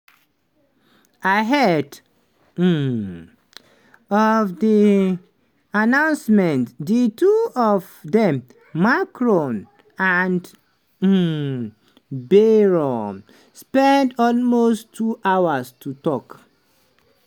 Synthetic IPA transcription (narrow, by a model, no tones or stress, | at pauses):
aɦɛd | ɔvdi | anãʊ̃nsmɛ̃ntdituɔvdɛ̃mː | akɹɔ̃n | and | beɹɔ | spɛ̃ndɔlmostʰːuʔawastutɔk